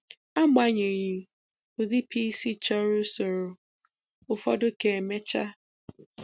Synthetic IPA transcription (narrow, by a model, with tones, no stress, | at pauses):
a˦ma˦ɲe˨ɲi˨ | ʊ˨di˦pʰi˦si˦t͡ʃɔ˦ɾʊ˦so˨ɾo˨ | ʊ˨fɔ̰˦dʊ˦ke˨me˦t͡ʃa̰˦